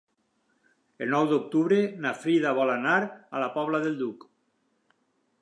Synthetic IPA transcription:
elnɔwd̪ok̚t̪uβɾenafɾiðaβɔlanaɾa̰lapɔβlaðelˠd̪uk

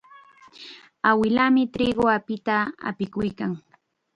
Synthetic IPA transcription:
awɪlamɪt̪ɾɪɢoapɪt̪aa̰pɪkʊjkaŋ

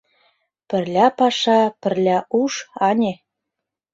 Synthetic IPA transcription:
pɘ̆rlʲæpɑʃɑpɘ̆rlʲæʔuʃɑnʲe

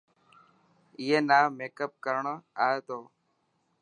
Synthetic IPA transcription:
ɪːɦeːnaːmeːkəp̚kəɾɳoːaːeːt̪oː

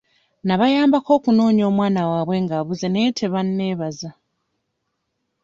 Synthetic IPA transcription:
naβajaːmbako̞ːkuno̞ːɲoːmwaːnawaːβwe̞ŋɡaβuzeneːtʰeβanːe̞ːβaza

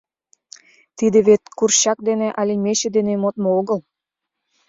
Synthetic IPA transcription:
t̪id̪eβet̪̚kurɕɑk̚d̪enĕʔɑlimeɕed̪enemot̪mooɣəl

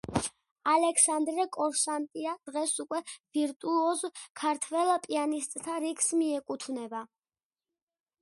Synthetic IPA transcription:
alɛkʰsand̪ɾɛkʼɔɾʃant̪ʼiad̪̥ʁɛsukʼwɛviɾt̪ʼuɔzkʰaɾt̪ʰvɛlpʼianist̪ʼt̪ʰaɾikʰsmiɛkʼut̪ʰvnɛba

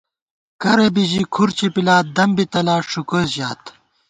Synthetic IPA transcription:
kɐɾebiʑikʰuɾt͡ɕʰipilaːt̪̚d̪ɐmbit̪ɐlaːʂukozjaːt̪

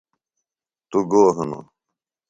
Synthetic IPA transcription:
t̪uɡoːɦɐno̰

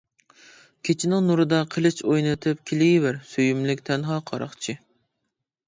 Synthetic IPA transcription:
kʲʰet͡ʃʰɪnɪŋnuɾɨd̪ɑqʰəlˠɪt͡ʃojnɨt̪ʰɪp̚kʲʰilɪɡʲɪbæɾsøjymlɪkʲt̪ʰɛnɦɑqʰɑɾɑ̰χt͡ʃʰɪ

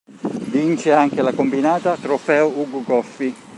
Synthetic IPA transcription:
vint͡ʃeaŋkelakombinaːt̪at̪ɾofɛːouɡuɡɔfːi

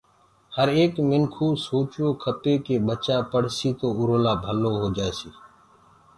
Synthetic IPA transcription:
həɾeːkmɪŋkʰuːsoːt͡ʃoːkʰəp̪eːkeːɓət͡ʃaːpəɽ̤siːt̪oːʊɾoːlaːbʱəloːɦoːd͡ʒaːesiː

